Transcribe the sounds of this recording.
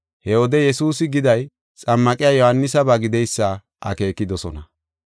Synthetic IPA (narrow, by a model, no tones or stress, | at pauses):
hɛɔd̪ɛjɛsuːsɪɡɪd̪ɐj | t͡sʼɐmːɐkʼɪjaːjɔhɐnːɪsɐbɐɡɪd̪ɛjsːɐ | ʔɐ̰ke̞ːkːɪd̪ɔsɔnɐ